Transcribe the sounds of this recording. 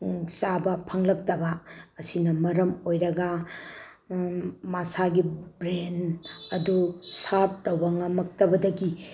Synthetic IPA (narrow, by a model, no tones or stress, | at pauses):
sabɐpʰɐŋlɐk̚tɐbɐːsinɐmɐɾɐmojɾɐɡɐ | masaɡibɾenɐdusap̚tɐwɐŋɐmɐk̚tɐbɐdɐɡi